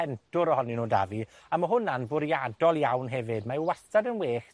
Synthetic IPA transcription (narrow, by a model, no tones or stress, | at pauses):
ɛntʰʊɾɔhɔninoːda̰vi | aməɦʊnanbʊɾjadɔlˠjawnɦɛvɨdmawɛstadənweːχ